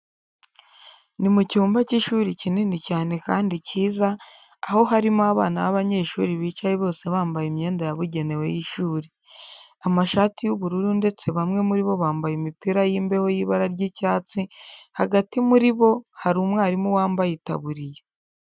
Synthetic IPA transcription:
nimucuːmbaciʃuːɾicinenicaːne̞kaːndiciːzaː | ho̞ɦaɾimoaβa̰ːnaβaβaɲe̞ʃṵːɾiβiːt͡ʃajiβo̞ːse̞βaːmbajimɲe̞ːndajaβuɟe̞ne̞we̞̰jiʃuːɾi | amaʃaːtijuβuɾuɾunde̞t͡se̞βamŋe̞muɾiβo̞βaːmbajimipiɾajiːmbe̞ho̞jiβaɾaɾɟicaːt͡sihaɡatimuɾiβo̞haɾumŋaːɾimuwaːmbajita̰βuɾije

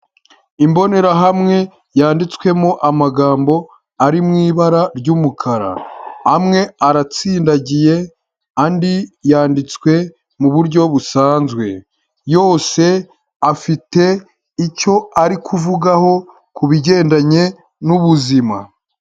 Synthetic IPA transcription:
imbo̞ne̞ɾaɦamŋe̞ | jaːndit͡swe̞moʔamaɡaːmbo̞ | aɾimŋiːβaɾaɾɟumukʰaɾa̰hːmŋe̞aɾat͡siːndaɟije̞ | andijaːndit͡skwe̞ | muβuɾɟo̞βusaːnzɡwe̞ | jo̞ːse̞ | afite̞ | ico̞aɾikʰuvuɡaho̞ | kuβiɟe̞ːndaɲe̞ | nuβuzima

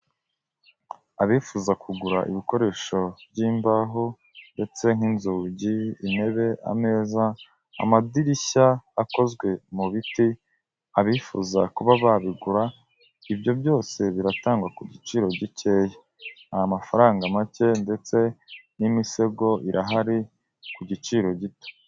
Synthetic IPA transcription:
aβifuzakʰuɡuɾaʔiβiko̞ɾe̞ːʃo̞bɟiːmbaɦo | nde̞t͡se̞ŋ̥inzuːɟiine̞βe̞ʔa̰me̞ːza | a̰madiɾiçaːko̞zɡwe̞muβiti | aβifṵzakuβaβaβiɡuɾa | ibjo̞bjo̞ːse̞βiɾataːŋɡwakuɟit͡ʃiːɾo̞ɟice̞ːje | ajamafaɾaːŋɡamace̞nde̞t͡se̞nimise̞ɡo̞ʔiɾʔaɦaɾi | kuɟit͡ʃiːɾo̞ɟito̥

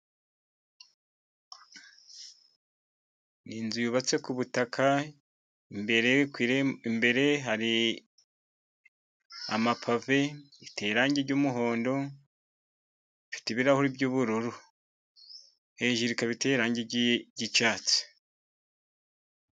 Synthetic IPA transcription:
niːnzujuβat͡se̞kuβutakʰa | imbeɾekwiːɾeimbe̞ɾe̞ɦaɾi | a̰mapʰave̞ | ite̞ːɾaːɲɟiɾɟuːmuɦo̞ːndo̞ | ifi̥teβiɾahoɾibɟuːβuɾuɾu | heʒiɾikaβite̞ːɾaːɲɟeɟit͡ʃaːt͡si̥

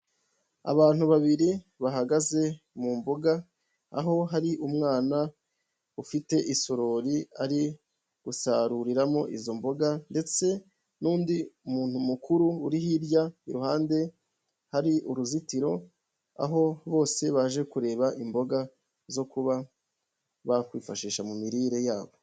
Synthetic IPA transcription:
a̰βaːn̥huβaβiɾi | βaɦaɡaze̞ | mumbo̞ɡa | a̰ɦo̞ɦaɾiʔumŋaːna | ufite̞ʔisoɾo̞ːɾiaɾi | ɡ̥usaɾuɾiɾamo̞ʔizo̞mbo̞ɡande̞t͡se̞ | nuːndiumuːnhumukuɾuːɾihiɾjaiɾuhaːnde̞ | haɾiʔuɾuzitiɾo̞̰ | a̰ɦo̞βo̞ːse̞βaʒe̞kuɾe̞ːβaʔimbo̞ɡa | zo̞kuβa | βakwiːfaʃiːʃamumiɾiːɾe̞jaːβo̞

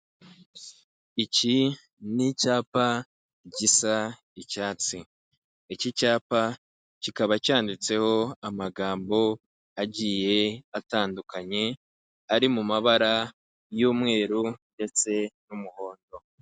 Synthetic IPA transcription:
ici | nicaːpa | ɟisa | icaːt͡si | icicaːpa | cikaβacaːndit͡se̞ho̞amaɡaːmbo̞ | aɟije̞ataːndukaɲe̞ | aɾimumaβaɾa | juːmŋe̞ːɾunde̞t͡se̞numuho̞ːndo̞

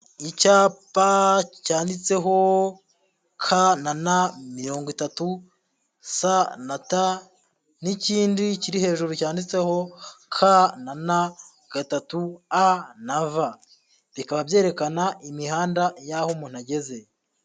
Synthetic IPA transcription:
icaːpacaːndit͡se̞ɦo̞ | kʰananamiɾo̞ːŋɡwitatu | sanata | niciːndiciɾihe̞ːʒuɾucaːndit͡se̞ho̞kʰanana | ɡ̥atatuanava | βikaβabje̞ːɾe̞kanaʔimihaːndajahomun̥haɟe̞ze̞

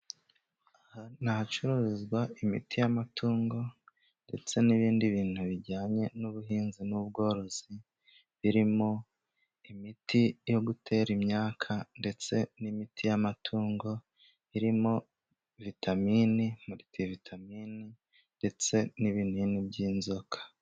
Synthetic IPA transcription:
ahanahat͡ʃuɾuzɡwaʔimḭtijamatʰuːŋɡo̞ | nde̞t͡se̞niβiːndiβiːn̥huβiɟaːɲe̞nuβuɦiːnzinuβ̚ɡo̞ːɾo̞z̥i | βiɾimo̞ | imitijo̞ɡutʰe̞ːɾimɲaːkʰande̞t͡se̞nimitʰijamatʰuːŋɡo̞ | iɾimo̞ | vitʰamiːnimuɾitivitʰamiːni | nde̞t͡se̞niβiːnhuinibɟiːnzo̞kʰḁ

